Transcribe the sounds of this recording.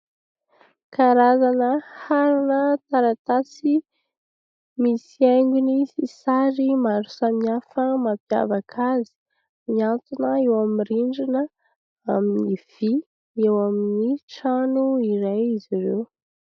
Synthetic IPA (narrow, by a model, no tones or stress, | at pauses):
kaɾazanəhaɾunət̪aɾat̪at͡si | misiajŋɡunisisaɾimaɾu̥samniafəmapja̰vakʰazi̥ | miant̪unəewamiriɳɖ͡ʐinə | aminiv̥i | ewaminiʈ͡ʂanuiɾajiziɾew